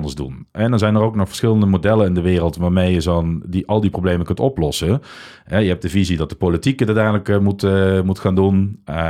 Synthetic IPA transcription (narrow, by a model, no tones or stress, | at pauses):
ndəɹzdṵnɛndɑnzɛjnərowknɔχfə̥ɹsχɪləndəmodɛlənɪndəʋɪːrəlˠtʋaːɹmejəzondiʔɑlˠdiprowblejməkɵntɔplɔsə | ɦɛjəɦɛp̚d̥əvizidɑt̚dəpolitikədɪtɛjələkmutmutχaːndun